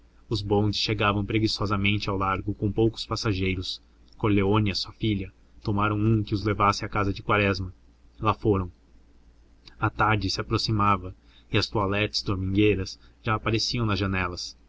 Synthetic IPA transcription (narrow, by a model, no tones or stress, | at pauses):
ʊzbõd͡ʒɪ̥sʃeɡavɐ̃w̃pɾeɡisɔzɐmẽnt͡ʃɪawlaɾɡʊkõw̃powkʊ̥spasaʒejɾʊs | koɾleoniɐsuɐfiʎɐ | t̪omaɾɐ̃w̃ũkɪʊzlevasɪakazɐd͡ʒɪkwaɾɛzmɐ | lafoɾɐ̃w̃ | at̪aɾd͡ʒɪsɪapɾosimavɐ | ɪɐst̪oalɛɾt̪ɪ̥zd̪oɾmĩɡejɾɐsʒaːpaɾesiɐ̃w̃nɐzʒɐnɛlɐs